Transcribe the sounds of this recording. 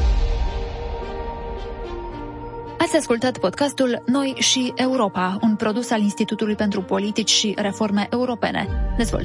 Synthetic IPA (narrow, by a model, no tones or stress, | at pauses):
at̪sʲaskult̪at̪po̞d̪̥kast̪ulnojʃie̞uɾo̞paunpɾo̞d̪usalinst̪it̪ut̪ulujpe̞nt̪ɾupo̞lit̪it͡ʃʲʃire̞fo̞rme̞ʔe̞uɾo̞pe̞̰nḛd̪e̞zvo̰l